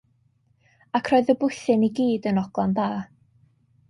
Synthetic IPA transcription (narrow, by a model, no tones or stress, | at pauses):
akʰrɔɨðəbʊɨθɨniɡiːdənɔɡ̥lˠanðaː